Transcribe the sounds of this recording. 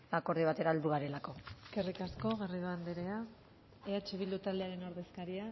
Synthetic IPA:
ako̞ɾðiβat̪e̞ɾaeld̪uɣaɾe̞lako̞ikerikasko̞ɣ̞e̞riðuand̪eɾe̞a | eat͡ʃe̞β̞ild̪ut̪ald̪e̞aɾe̞noɾðe̞skaɾia

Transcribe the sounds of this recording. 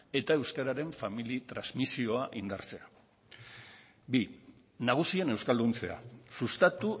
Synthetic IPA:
e̞t̪ae̞wskaɾaɾe̞ɱfamilit̪ɾazmisio̞aʔind̪a̰ɾt͡se̞a | bi | naɣ̞usie̞ne̞wskald̪unt͡se̞̰a̰sust̪at̪u

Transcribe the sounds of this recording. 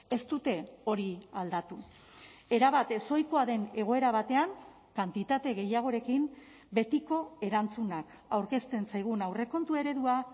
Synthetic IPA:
e̞st̪ut̪e̞o̞ɾiald̪at̪u | e̞ɾaβat̪e̞so̞jko̞aðe̞ne̞ɣ̞o̞e̞ɾaβ̞at̪e̞aŋ | kant̪it̪at̪e̞ɣ̞e̞jaɣ̞o̞ɾe̞kim | be̞t̪iko̞e̞ɾant͡sunak | awɾke̞st̪e̞nsajɣ̞unawre̞ko̞nt̪ue̞ɾe̞ðua

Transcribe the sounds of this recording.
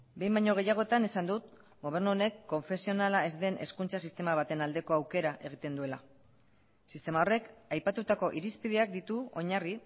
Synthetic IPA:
be̞jmbajɲo̞ɣ̞e̞jaɣ̞o̞et̪ane̞sand̪ut̪ | ɡo̞β̞e̞ɾnuone̞kːo̞ɱfe̞sio̞nalae̞zd̪e̞nʔe̞skunt͡sasist̪e̞maβ̞at̪e̞nald̪e̞ko̞awke̞ɾaʔe̞ɣ̞it̪e̞nd̪ue̞la | sist̪e̞mao̞re̞kajpat̪ut̪ako̞ʔiɾispiðe̞ak̚d̪it̪uo̞ɲari

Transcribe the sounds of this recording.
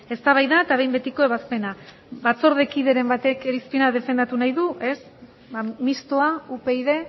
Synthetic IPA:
e̞st̪aβajðaet̪aβ̞e̞jmbe̞t̪iko̞e̞βaspe̞na | bat͡so̞ɾðekiðe̞ɾe̞mbat̪e̞keɾispinaðe̞fe̞nd̪at̪unajðuʔe̞s | bamist̪oaupe̞iðe̞

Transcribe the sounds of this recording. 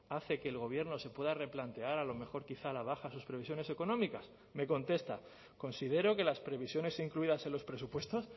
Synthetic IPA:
aθe̞ke̞ːlɣo̞β̞je̞ɾno̞se̞pwe̞ðare̞plant̪e̞aɾalo̞me̞xo̞ɾkiθalaβ̞axasuspɾeβisjo̞ne̞se̞ko̞nõ̞mikas | me̞ko̞nt̪e̞st̪a | ko̞nsið̞e̞ɾo̞ke̞laspɾe̞β̞isjo̞ne̞siŋkluiðase̞nlo̞spɾe̞supwe̞st̪o̞s

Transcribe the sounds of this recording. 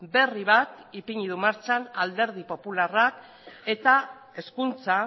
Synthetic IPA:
be̞riβat̪ipiɲiðumaɾt͡ʃanald̪e̞ɾð̞ipo̞pularak | e̞t̪a | e̞skunt͡sa

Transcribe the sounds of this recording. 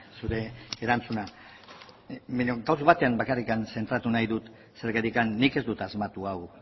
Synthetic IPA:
suɾe̞ːɾant͡suna | beɲoɡaws̬oβat̪e̞ambakarikanse̞nt̪ɾat̪unajðut̪ | se̞ɾɣaɾikanːike̞zd̪ut̪azmat̪uaw

